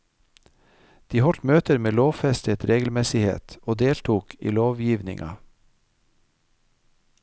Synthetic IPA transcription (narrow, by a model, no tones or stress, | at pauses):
d̪̥iːhɔʈmøːt̪əɾmeːloːʋfɛst̪ət̪ɾeːɡəl̩mɛsɪhḛːt̪oːd̪eːlt̪ʰuːkʰḭːloːʋjiːʋnɪ̰ŋʔɑ̰